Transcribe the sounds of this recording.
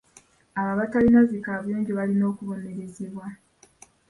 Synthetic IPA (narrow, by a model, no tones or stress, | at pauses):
aβaβatalinazikaːβujoːɲɟeβalino̞ːkuβo̞ne̞ɾeziβwa